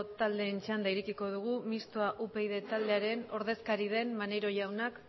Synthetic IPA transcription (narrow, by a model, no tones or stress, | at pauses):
t̪ald̪e̞ːnt͡ʃand̪aiɾekiko̞ð̞uɣ̞umist̪oaʔupe̞iðe̞t̪ald̪eaɾe̞no̞ɾð̞e̞skaɾið̞e̞mmaneɾo̞ʝawnak